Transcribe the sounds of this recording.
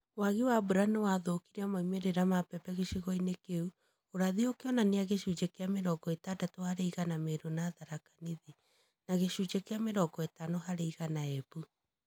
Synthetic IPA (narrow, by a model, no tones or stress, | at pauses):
waɣiwabuɾanewaðokiɾeamaimeɾeɾamapɛpɛɣeʃiɣɔinekeu | oɾaðiokeɔnaneaɣeʃud͡ʒekeameɾɔɡɔetadatohaɾeiɣanameɾonaːðaɾakḁniði | naɣeʃud͡ʒekeameɾɔɡɔetanoɦaɾeiɣanaɛbu